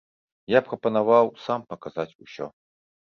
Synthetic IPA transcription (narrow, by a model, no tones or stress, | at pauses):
japɾɐpɐnavawsampɐkazat͡sʲusʲɔ̰